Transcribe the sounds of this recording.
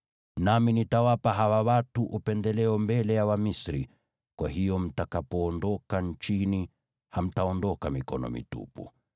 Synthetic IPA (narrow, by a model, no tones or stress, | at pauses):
naminitawapaɦawawatuʔupɛndɛlɛɔmbɛlɛjawamisɾi | kwahijɔm̩takapɔːndɔkant͡ʃini | ham̩taɔndɔkamikɔ̰nɔ̰mḭtṵpṵ